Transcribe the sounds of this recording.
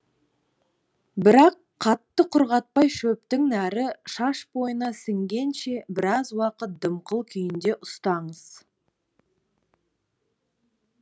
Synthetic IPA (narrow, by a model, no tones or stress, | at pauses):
bɪɾɑqːʰɑt̪ːəqʰʊɾʁɑt̪̚pɑjʃɵp̚t̪ɪŋnæɾɪʃɑʃbo̞jənɑsɪŋɡʲe̞nʃe̞bɪɾɑzwɑqət̪̚d̪əmqʰəlˠkʲʰʏjɪnd̪e̞ʔʊst̪ɑɴəz̥